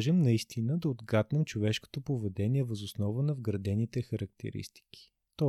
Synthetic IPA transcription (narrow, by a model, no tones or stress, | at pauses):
ʒɛmnɐist̪ʰinəd̪ɐod̪ɡat̪nɛmt͡ʃovɛʃko̥t̪opovɛd̪ɛniɛvəzʊsnɔvənɐvɡɾɐd̪ɛnit̪ɛxɐɾɐk̚t̪ʰɛ̰ɾḭst̪i̥ki̥ | t̪ɔ